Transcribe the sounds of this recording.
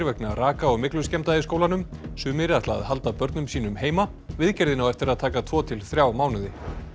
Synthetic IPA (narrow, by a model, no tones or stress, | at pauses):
ɾvɛknaraːkaɔɣmɪklʏscɛmt̪aðɪskoːwlanʏmsʏːmɪɾɪaht̪la̰ːðhal̪t̪apœɾt̪nʏmsiːnʏmheːjma | vɪðcɛɾðɪnawɛft̪ɪɾaðt̪ʰaːkat̪ʰvɔːt̪ʰɪlθɾjawmaːwnɪðɪ